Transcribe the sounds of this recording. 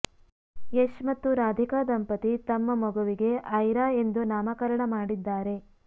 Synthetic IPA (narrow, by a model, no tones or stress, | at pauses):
eʃmɐt̪ːuɾaːd̪ʱikaːd̪ɐmpɐt̪it̪ɐmːɐmɐɡuʋiɡe̞ʔɐjɾaːe̞nd̪unaːmɐkɐɾɐɳɐmaːɽid̪ːaːɾe̞